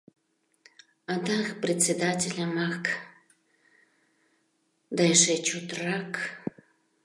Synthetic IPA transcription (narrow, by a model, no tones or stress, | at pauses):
ɑd̪ɑxprʲet͡sʲed̪atʲelʲamɑk | d̪ɑeʃet͡ɕot̪rɑk